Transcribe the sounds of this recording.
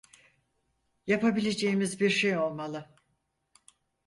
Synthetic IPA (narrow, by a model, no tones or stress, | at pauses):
japabilʲe̞d͡ʒeimizbiɾʃejo̞lˠmalˠɯ